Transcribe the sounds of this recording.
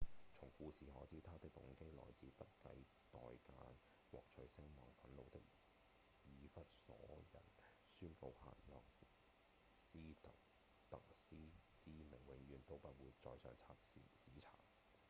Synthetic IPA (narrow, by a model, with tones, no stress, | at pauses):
t͡sʰʊ˨˩ŋkuː˧siː˨hɔː˨˥t͡siː˨˥t̪ʰaː˥t̪ɪ˥k̚t̪ʊ˨˥ŋke˥jlɔ̰ː˨˩jt͡siː˨pɐ˥t̚kɐ˨˥j | t̪ɔː˨jkaː˧n | wɔ̰ː˨k̚t͡ʃʰɵ˨˥ɥsɪ˥ŋmɔː˨˩ŋfɐ˨˥nlo˨˧wt̪ɪ˥k̚ | jiː˨˧fɐ˥t̚sɔ̰ː˨˥jɐ̰˨˩n | syː˥nko˧wha̰ː˨˩nlɔː˨k | siː˥t̪ɐ˨k | t̪ɐ˨ksiː˥t͡siː˥mɪ˨˩ŋwɪ˨˧ŋɥyː˨˧nt̪o˥wpɐ˥t̚wuː˨˧jt͡sɔː˧jsœ̰ː˨˧ŋt͡sʰaː˧˥t̚si˨˧siː˨˥t͡sʰa̰ː˨˩ŋ